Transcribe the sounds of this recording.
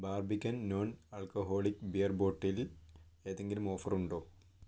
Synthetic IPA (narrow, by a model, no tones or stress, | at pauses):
baːrbikʲːɐnːoːnɐɭkoɦo̞ːɭikːbejɐrbo̞ːʈːile̞ːðe̞ŋɡilumo̞ːfɐruɳɖo̞ː